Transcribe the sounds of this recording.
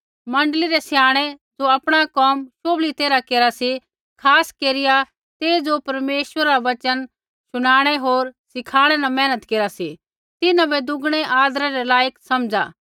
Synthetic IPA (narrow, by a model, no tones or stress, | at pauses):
mɐ̃ɳɖəliɾɛsjaːɽ̃ed͡zoɐpɽ̃akɔːmʃoːblit̪eːɾakeːɾasi | kʰaːskeːɾɪja | t̪eːd͡ʒopɐɾmeːʃʋəɾaaʋɐt͡ʃən | sʊɽ̃aːɽ̃ɛɦoːɾsɪkʰaːɽ̃ɛnamɛ̃ːnət̪keːɾasi | t̪ɪnãbɛd̪ʊɡɽ̃ɛʔaːd̪ɾãɾɛlaːjəksɐmd͡ʒa̰ː